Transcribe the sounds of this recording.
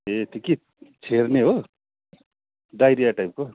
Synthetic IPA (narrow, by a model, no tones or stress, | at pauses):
et̪ʰiki | t͡sʰerneɦo | ɖajɾijaʈajp̚ko